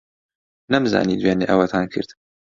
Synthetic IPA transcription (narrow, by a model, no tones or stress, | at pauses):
nɐmza̰ːnid̪weːneːʔɐwɐt̪ʰaːnkʰɨɾd̪